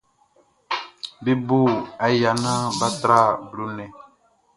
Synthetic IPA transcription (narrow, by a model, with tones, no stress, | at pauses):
be˦bu˦˨a˨ja˨nã˦ba˦tɾa˦˨blu˨nɛ̃˨